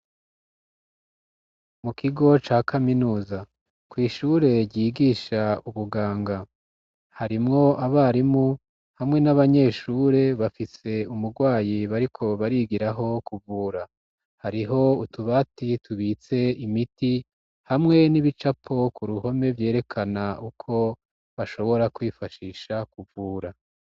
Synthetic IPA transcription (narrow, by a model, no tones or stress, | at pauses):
mukʰiɡo̞t͡ʃaːkʰaminuːza | kwiːʃuɾe̞ɟiːɡiːʃauβuɡaːŋɡa | haɾimŋo̞ʔaβaːɾimu | hamŋe̞naβaɲe̞ːʃuːɾe̞βafise̞umuɾɡwaːjiβaɾikʰo̞βaɾiɡiɾaɦo̞kuvuːɾa | haɾiɦo̞utuβatitʰuβiːt͡se̞imiti | hamŋe̞niβit͡ʃapʰo̞kuɾuho̞me̞vje̞ːɾe̞kʰanaukʰo̞ | βaʃo̞βo̞ɾakwiːfaʃiːʃakuvuːɾa